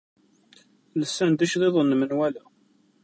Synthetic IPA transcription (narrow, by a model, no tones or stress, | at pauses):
ləsːænd̪æʃðˤeðˤənːmənwælæ